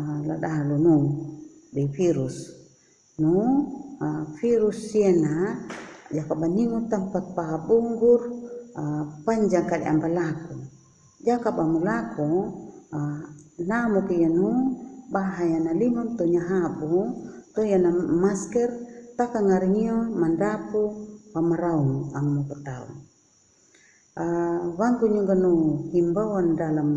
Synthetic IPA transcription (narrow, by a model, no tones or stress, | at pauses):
la̰daɦlunuŋ | difiɾus | nu | fiɾusːiɛna | d͡ʒakabaniŋut̪ampat̪̚paɦabuŋɡur | paɲd͡ʒaŋkadɛambalaku | d͡ʒakabamulakɔ | namukijanubaɦajanalimɔmt̪ɔɲaɦabut̪ɔjanamaskɛrt̪akaŋaɾiŋiɔmandapupamaɾauŋaŋmupat̪aṵn | awaŋt̪uɲɔɡanuhimbawandalam